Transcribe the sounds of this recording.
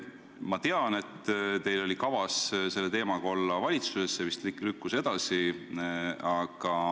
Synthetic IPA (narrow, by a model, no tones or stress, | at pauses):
mɑt̪e̞ɑne̞t̪ːt̪e̞jlo̞lʲikɑvɑsse̞lːet̪e̞ːmɑɡ̥ɑo̞lːɑvɑlʲit̪susesːevist̪lykːuse̞d̪̥ɑsi | ɑɡ̥ɑ